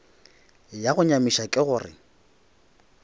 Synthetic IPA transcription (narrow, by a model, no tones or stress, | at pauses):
jaɣʊɲamiʃakʼɪɣʊːrɪ̰